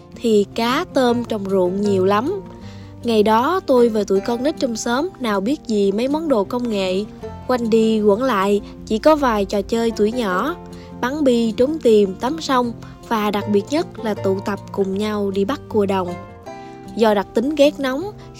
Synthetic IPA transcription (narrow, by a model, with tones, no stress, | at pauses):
t̪ʰi˨˩kaː˨˦t̪əː˧mt͡ɕɔ˨˩wŋ͡mzṵ˧˨ənɲi˨˩əwla˨˦m | ŋa˨˩jɗɔ˨˦t̪o˧jvəː˨˩t̪ṵ˧˩˨jkɔ˧nnə˦˥t̚t͡ɕɔ˧wŋ͡msəː˨˦mnaː˨˩wɓi˦˥ət̚zi˨˩mə˨˦jmɔ˨˦nɗo̰˧˨kə˧wŋ͡mŋḛ˧˨kwa˧jŋɗi˧ɣwə̰˧˩əŋla̰ː˧˨j | t͡ɕḭ˧˥kɔ˨˦vaː˨˩jt͡ɕɔ˨˩t͡ɕəː˧jt̪wṵ˧˩əjɲɔ̰˧˩ | ɓa˨˦ŋɓi˧t͡ɕo˨˦ŋ͡mt̪i˨˩mt̪a˨˦msa˧wŋ͡m | vaː˨˩ɗa˨˩k̚ɓi˨˩ət̚ɲə˦˥t̚laː˨˩t̪ṵ˧˨t̪ə˨˩p̚kʊ˨˩ŋ͡mɲa˧wɗi˧ɓa˦˥t̚ku˧˩əɗə˨˩wŋ͡m | zɔ˧ɗa˨˩k̚t̪ï˨˦ŋɣɛ˦˥k̚na˨˦wŋ͡m